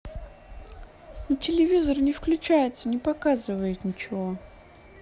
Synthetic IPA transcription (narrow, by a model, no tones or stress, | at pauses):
nətʲɪlʲɪvʲizərnʲɪfklʲʉt͡ɕajɪt̪sənʲɪpɐkazɨvəjɪt̪nʲɪt͡ɕɪvo